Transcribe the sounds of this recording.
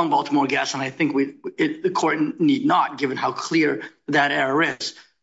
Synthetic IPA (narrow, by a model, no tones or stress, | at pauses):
nbɔlˠtʰəmɔɹɡæsə̃naɪθɪ̃ŋkwiɪðɨkʰɔɹtⁿnidⁿnət̚ɡ̥ɪvɨ̃nhaʊkʰl̥ɪɹðɨɾɛɹə˞ɪz̥